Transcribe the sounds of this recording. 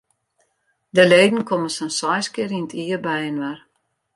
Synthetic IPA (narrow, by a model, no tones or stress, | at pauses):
dəleːdn̩kʰoməsənsɔjskɪɾinətʰiərbɛjənʋɛr